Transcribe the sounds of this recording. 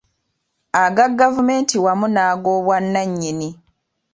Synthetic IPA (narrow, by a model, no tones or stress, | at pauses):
aɡaɡːavume̞ːntiwamunaːɡoːβwanːaɲːini